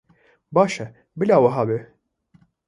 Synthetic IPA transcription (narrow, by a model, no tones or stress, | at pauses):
baːʃɛ | bɪlaːwɐɦɑːbe